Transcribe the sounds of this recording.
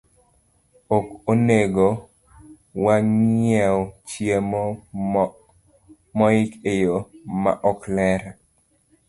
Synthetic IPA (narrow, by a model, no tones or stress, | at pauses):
okoneɡo | waŋɛwɔt͡ʃjemo | mɔɪkejoma̰ʔɔklɛɾa